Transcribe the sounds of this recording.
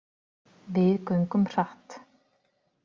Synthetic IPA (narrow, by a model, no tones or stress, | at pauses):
vɪðkœɥŋkʏmr̥aht̪